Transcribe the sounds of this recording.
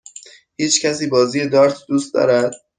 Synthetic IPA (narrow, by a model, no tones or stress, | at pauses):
hiːt͡ʃcʰæs̬iːbɒːziːjed̪ɒːɾt̪ʰd̪uːst̪d̪ɒ̰ːɾæd̪̥̚